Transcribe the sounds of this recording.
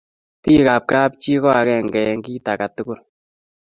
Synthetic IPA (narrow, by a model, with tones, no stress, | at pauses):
pi˦ka˨p̚ka˦p̚t͡ʃi˦kɔ˦a˨kɛ˦ŋɡɛ˨ŋɡi˦ta˨ka˨tu˦kʊ˦l